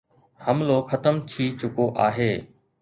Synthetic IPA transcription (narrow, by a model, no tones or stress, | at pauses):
hɐmloxɐt̪əmt̪ʰiːt͡ɕʊkoʔaːɦeː